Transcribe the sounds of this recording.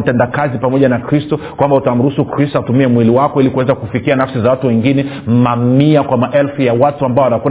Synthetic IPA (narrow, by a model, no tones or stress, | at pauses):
m̩pɛndakazipamɔʄanakɾistɔ | kwambautam̩ɾusukɾistɔatumiɛmwiliwakɔilikuwɛzakufikianafsizawatuwɛŋɡinɛm̩mamiakwamaʔɛlfujawatuambaɔanaku